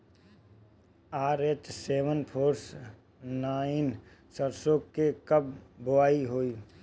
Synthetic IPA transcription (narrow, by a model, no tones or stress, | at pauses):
aːɾet͡ʃseːʋənpʰoːɾs | naːɪn | səɾsoːkːekəb̚bʊaːiɦoːiː